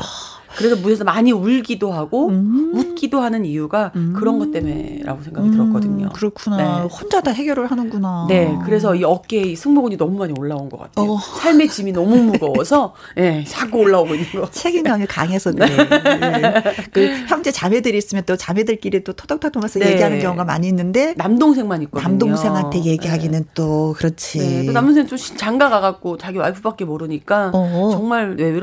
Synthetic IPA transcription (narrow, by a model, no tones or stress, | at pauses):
kɯɾe̞sʰʌmuʌsʰʌmaɲiuɭɡidoɦaɡomut̚k͈idoɦanɯnijuɡakɯɾʌnɡʌt͈̚e̞me̞̰ɾʔa̰ɡosʰe̞ŋɡaɡittɯɾʌtk͈ʌdɯɲo̰kɯɾʌkʰunaehond͡ʑadaɦe̞ɡjʌɾɯɭhanɯnɡunane̞kɯɾe̞s̬ʰʌiʌk͈e̞isʰɯŋmoɡuɲinʌmumaɲioɭːaonɡʌk͈a̰tʰesʰaɭme̞t͡ɕiminʌmumuɡʌwʌsʰʌ | je̞t͡ɕak͈oɭːaoɡoinːɯnɡʌt͡ɕʰeɡinamika̰ŋɦe̞sʰʌn | kɯçjʌmt͡ɕ͈et͡ɕame̞dɯɾis͈ɯmjʌnt͈ot͡ɕame̞dɯɭk͈iɾit͈otʰʌdʌk̚tʰatoŋesʰʌje̞iɦanɯnk̬jʌŋuɡama̰ɲiːnːɯnde̞namdoŋs̬ʰe̞ŋmaɲik͈onamdoŋsʰe̞ŋɦantʰe̞je̞ɡiɦaɡinɯnt͈okɯɾʌt͡ɕʰionamndoŋsʰeŋt͡ɕ͈oɕʰi̥t͡ɕaŋɡaɡaɡak̚k͈ot͡ɕaɡiwa̰ɭpʰup͈ak͈e̞moɾɯɲik͈aʌt͡ɕʌŋmaɭweɾ